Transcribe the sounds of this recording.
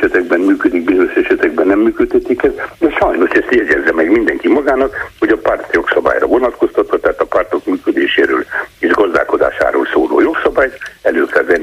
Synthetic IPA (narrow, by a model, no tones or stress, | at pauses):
ɛt̪ɛɡ̚bɛnmyːkød̪ik̚biːɾøʃɛʃɛt̪ɛɡ̚bɛnːɛmːyːkøt̪hɛt̪ikɛzd̪ɛʃɒjno̞ʃɛst̪jɛɟɛzːɛmɛɡmind̪ɛŋkimɒɡaːnɒkho̞ɟɒpart̪jo̞ksɒba̰ːjrɒ̰vo̞nɒt̪ko̞st̪ɒt̪ːɒt̪ːaːt̪ɒpart̪o̞kmyːkød̪eːʃḛːɾøːleːʒɡɒzd̪a̰ːlko̞d̪a̰ːʃa̰ːɾo̰ːlsoːlo̰ːjo̞ksɒbaːjt̪ɛløːkɛlvɛn